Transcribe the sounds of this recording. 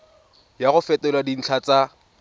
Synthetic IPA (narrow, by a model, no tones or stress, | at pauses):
jaɣʊfɛtʼɛlwadin̩t͡ɬʰat͡sʼa